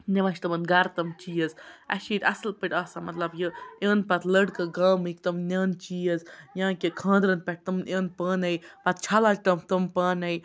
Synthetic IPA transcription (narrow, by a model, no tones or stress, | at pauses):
neʋaʃt̪ɐmɨnɡɐɾt̪ɐmt͡ʃiːəzɐ̰ʃiːt̪ʲɐslpɨʈʲaːsamɐt̪lɐbjəjeːnpɐt̪ləɽkɨɡaːmɨkt̪ɐmnʲaːnt͡ʃiːəzjãːkʲekʰãːnd̪ɾənpʲɛʈ̚ʲt̪ɐmnʔjeːnpaːnɐjpɐt̪̚t͡ʃʰaːlaːd͡ʒt̪ɐmt̪ɐmpaːnɐj